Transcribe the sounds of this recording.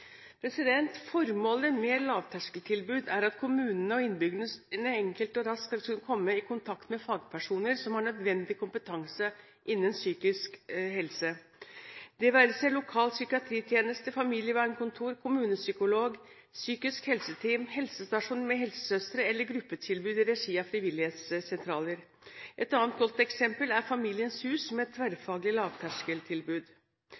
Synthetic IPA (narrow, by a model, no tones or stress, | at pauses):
pʰɾɛsɪd̪ɛnt̪fɔɾmoːləmɛlɑːʋt̪ʰæʂkəlt̪ʰɪlbʉːd̪æɾɑt̪kʰʊmʉːnənəɔɪnbʏɡlnənəɛŋkəlt̪ɔɾɑskɑlkʰʉnːəkʰɔmːəɪkʊnt̪ʰɑkt̪mɛfɑːɡpʰæʂuːnəɾsɔmhɑɳœd̪ʋɛnd̪ɪkʰʊmpət̪ʰɑŋsə | ʔɪnːənsyːkɪskɦɛlsə | d̪̥ɛʋæɾəsæɪlʊkʰɑːlsʏkɪɑt̪ʰɾiːt̪ʰjeːnəst̪əfɑmiːljəʋæːɳkʊnt̪ʰuːɾkʰʊmʉːnəsʏkʊloːɡ | syːkɪskhɛlsət̪ʰiːmhɛlsəst̪ɑʂuːnmɛɦɛlsə̥sœst̪ɾəɛlːəɾɡɾʉpːət̪ʰɪlbʉːd̪ɪɾɛʂiːɑfɾɪʋɪlːɪheːt̪ssɛnt̪ʰɾɑːləɾ | ʔɛt̪ɑːnt̪̚ɡɔlt̪ɛksɛmpəlæɾfɑmiːlɪənshʉːsmɛɛt̪ʰːʋæɾfɑːɡlɪlɑːʋt̪ʰæʂkəlt̪ʰɪlbʉːd̪